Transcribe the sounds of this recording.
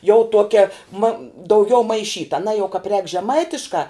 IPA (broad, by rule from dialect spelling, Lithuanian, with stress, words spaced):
jɛʊ ˈtuɔkʲɛ mɐ dɐʊˈɡʲɛʊ mɐɪˈʃʲiːtɐ ɐˈnɑː jɛʊ kɑːp rʲɛːk ʒʲɛˈmɐɪtʲɪʃkɑː